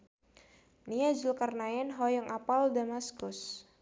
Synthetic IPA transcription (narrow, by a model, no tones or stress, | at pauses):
niad͡ʒəlkarnaɛnɦɔjəŋʔapaldamaskʊs